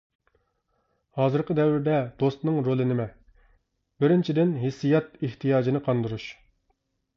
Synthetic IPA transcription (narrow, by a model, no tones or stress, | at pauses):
hɑːzɨɾqəd̪ɛwɪɾd̪ɛd̪̥ost̪nɨŋɾolˠɨnɪmɛ | bɪɾɪnt͡ʃʰid̪ɪnɦɪsːijɑt̪eht̪ʰijɑːd͡ʒinɪqʰɑnd̪ɨɾuʃ